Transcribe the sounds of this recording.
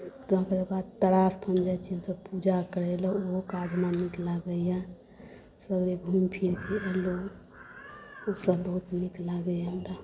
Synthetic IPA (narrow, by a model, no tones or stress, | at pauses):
t̪ɦkəɾbad̪̚t̪əɽast̪ʰənd͡ʒajt͡ʃʰiɦəmsəbpud͡ʒakəɾɛləokad͡ʒʱmaniklaɡəja | səɡɾiɡʱumpʰiɾkeʔelo | osəbəɦut̪niklaɡəjamɾa